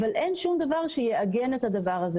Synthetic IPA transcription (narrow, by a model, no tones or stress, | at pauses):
valʔenʃumd̪avaʁʃejeʔaɡenet̪had̪avaʁaze